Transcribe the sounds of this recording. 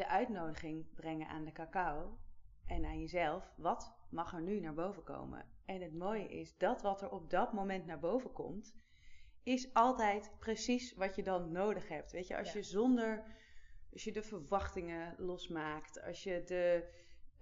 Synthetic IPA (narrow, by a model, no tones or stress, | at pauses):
dəʔœɥtnowdəχɪŋbrɛŋənʔa̰ːndəkaːkaowʔɛnaːnjəzɛlˠfʋɑtmɑχɛɹnynaːɹbowvəko̰wmə̰ɛnɦətmoːwjə̰ʔɪsdɑtʋɑtɛɹɔp̚dɑtmomɛntnaːɹbowvəkɔ̰mt | ɪsʔɑlˠtɛjtpresisʋɑtjədɑnːowdəχɦɛp̚tʋejcə̰ʔɑ̰jəzɔndəɹ | ɑsjədəvəɹʋɑχtɪŋəlɔsmaːktɑ̰sjədə